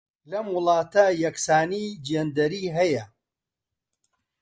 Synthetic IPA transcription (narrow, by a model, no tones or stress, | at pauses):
lɐmwʊlˠɑːt̪ɐjɐksaːnid͡ʒeːnd̪ɐɾiːɦɐjɐ